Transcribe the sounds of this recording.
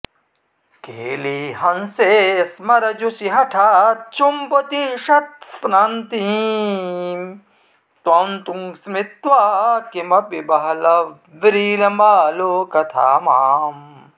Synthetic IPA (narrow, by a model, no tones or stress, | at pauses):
keːliːɦɐ̃nseːsmɐɾɐd͡ʒusiɦɐʈʰaːt͡ʃumpot̪iʃɐt̪̚snaːnt̪i | t̪ont̪uŋsmit̪ʋaːkimɐpibɐɦɐlɐ | ʋiɾiːlɐmaːloːkɐt̪ʰa̰ːmaːm